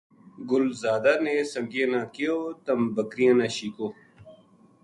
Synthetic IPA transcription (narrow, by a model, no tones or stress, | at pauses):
ɡʊlzaːd̪anesɐŋɡjenãkijot̪ɐmbɐkɾijãnaːɕiːkoː